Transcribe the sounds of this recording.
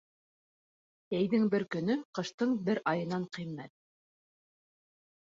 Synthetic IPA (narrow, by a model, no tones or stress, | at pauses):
æjðɘŋbɘɾkɵ̆nɵqɤ̆ʃt̪ɤɴbɘɾʔɑjɤ̆nɑɴqimːæt̪̚